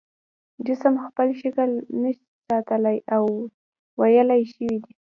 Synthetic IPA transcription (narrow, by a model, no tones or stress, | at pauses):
d͡ʒɪsəmxpəlʃəkəlnəʃi̥sɑt̪əlajaw | wajəlajʃəwid̪i